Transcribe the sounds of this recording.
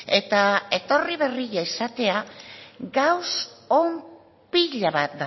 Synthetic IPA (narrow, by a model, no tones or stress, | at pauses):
e̞t̪ae̞t̪o̞riβ̞e̞riʝaisat̪e̞aɡawsom | piʎaβat̪̚d̪a